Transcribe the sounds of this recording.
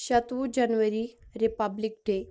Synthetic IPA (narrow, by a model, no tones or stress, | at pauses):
ɕət̪ʋud͡ʑanʋəɾiɾipablik̚ɖe